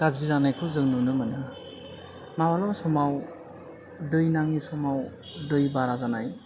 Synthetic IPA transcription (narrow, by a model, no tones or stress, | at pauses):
ɡ̥aziɾanajkʰɔzɯŋnunɯmanɯ | mawalawsɔmaw | dɯjnaŋisɔmaw | dɯjbaɾazanaj